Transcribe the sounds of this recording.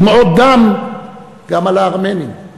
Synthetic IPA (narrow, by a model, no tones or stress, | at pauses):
meot̪̚d̪am | ɡamalaːʁmeni